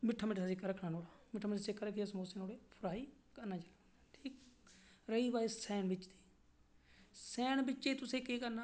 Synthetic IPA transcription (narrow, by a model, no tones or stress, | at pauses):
mɪʈʰːaːmɪʈːasɪkːaɾəkʰɽãːnoːɽaːmɪʈʰːaːmɪʈːsɪkːaɾəkʰːd͡ʒaːsmoːseːnoːɽeːpʰɾaːiː | kəɾnaːt͡ʃa | ʈʰiːk | ɾəiːʋaːisɛːnbɪt͡ʃd̪iː | sɛːɳbɪt͡ʃeːt̪ʊsẽːkeːkəɾnaː